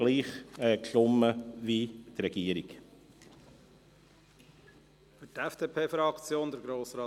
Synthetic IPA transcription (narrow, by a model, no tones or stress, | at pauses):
liːχɛklʊməvit̪ɾɛɡiːəɾiɡ | fytɛfd̥eːpʰeːfɾɑkt͡sjoːnd̪əɾɡɾoːsɾɑː